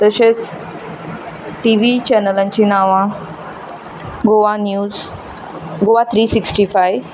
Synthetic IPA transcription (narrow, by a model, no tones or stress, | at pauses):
t̪əɕet͡s | ʈiʋit͡ɕɛnəlãɲt͡ɕinaʋã | ɡoʋanjuz | ɡoʋat̪ʰɾiːsiksʈifajʋ